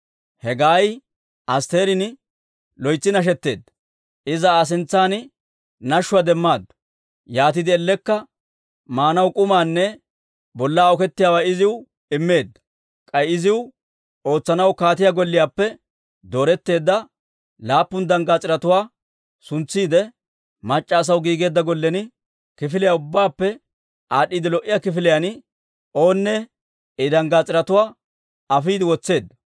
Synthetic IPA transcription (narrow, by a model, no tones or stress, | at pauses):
hɛɡaːj | ʔɐst̪e̞ːɾɪn | lɔjt͡sːɪnɐʃ̬ɛt̪ːe̞̰ːd̪ːɐ̥ | ʔɪzɐːs̬ɪnt͡sːaːn | nɐʃːʊwad̪ɛmːaːd̪ʊ̥ | jaːt̪̬ɪd̪ɪɛlːɛkːɐ | maːnɐwkʼʊmaːnːɛ | bɔlːaːɔkɛt̪ːɪjaːwaɪzɪw | ɪmːe̞ːd̪ːɐ̥ | kʼɐjɪzɪw | o̞ːt͡sːɐnɐwkaːt̪ɪjaːɡɔlːɪjaːpːɛ | d̪o̞ːɾɛt̪ːe̞ːd̪ːɐ | laːpːʊnd̪ɐŋɡaːt͡sʼɪɾɐt̪ʊwaː | sʊnt͡sːiːd̪ɛ | mɐt͡ʃʼːɐːs̬ɐwɡiːɡe̞ːd̪ːɐɡɔlːɛnɪ | kɪfɪlɪjaʊbːaːpːɛ | ʔaːɗiːd̪ɪlɔʔːɪjakɪfɪlɪjan | ʔo̞ːnːɛ | ɪd̪ɐŋɡat͡sʼɪɾɐt̪ʊwaː | ɐfiːd̪ɪwɔt͡sːe̞ːd̪ːɐ